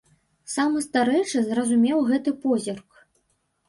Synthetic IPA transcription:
samɨst̪aɾɛjt͡ʂɨzrɐzumʲɛwɣɛt̪ɨpɔzʲɛrk

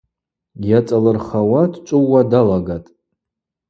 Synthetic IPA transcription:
jat͡sʼalɨrχawadʰt͡ʃʷʼɨwːadalaɡatʼ

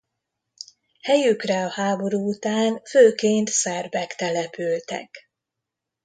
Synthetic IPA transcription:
hɛjykrɛɒhaːbo̞ɾuːut̪aːnføːkeːnt̪sɛrbɛkt̪ɛlɛpylt̪ɛ̰k

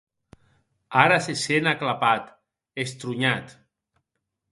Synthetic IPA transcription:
aɾasesenaklapat̪ | est̪ɾuɲat̪

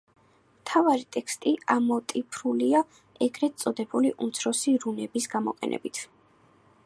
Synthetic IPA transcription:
mt̪ʰavaɾit̪ʼɛkst̪ʼiamɔt̪ʼipʰɾulia | ɛɡɾɛt̪sʼɔd̪ɛbuliʔumt̪sʰɾɔsiɾunɛbisɡamɔqʼɛ̰nʔɛ̰bit̪ʰ

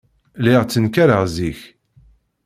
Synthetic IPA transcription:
lɪʁt͡sːənkæɾəʁziç

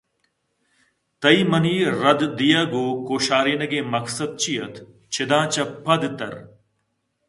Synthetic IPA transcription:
t̪ɐimɐniːɾɐd̪d̪ijaːɡoːkoːʃaːɾiːnɐɡẽːmɐksɐd̪̚t͡ɕijɐt̪ | t͡ʃʰɪd̪ãːt͡ʃɐpʰɐd̪t̪ɐ̰ɾ

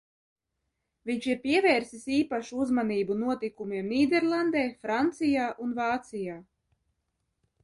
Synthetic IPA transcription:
viɲʃiɾpiɛvɛːɾsisiːpaʃuuzmaniːbunuɔt̪ikumiɛmniːd̪ɛɾlˠand̪ɛːfɾant̪sijaːʔunvaːt̪sijaː

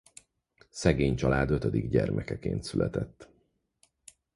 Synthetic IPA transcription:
sɛɡeːɲt͡ʃɒlaːd̪øt̪ød̪iɡɟɛrmʔɛkɛkḛːnt̪sylʔɛt̪ɛt̪ː

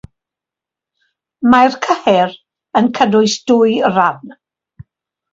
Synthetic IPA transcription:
majrkʰəhɛɾ | ənkʰədʊɨsd̥ʊjran

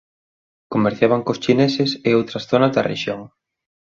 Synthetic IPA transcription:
komeɾθjaβɐŋkost͡ʃinesɪseowt̪ɾɐsθonɐzðɐ̰rḛʃjoŋ

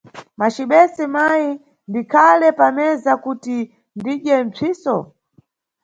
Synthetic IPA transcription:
mat͡ʃiɓɛsɛmaji | ndikʰalɛpamɛzakuti | ndiɗɛnt͡sʰiːsɔ̰

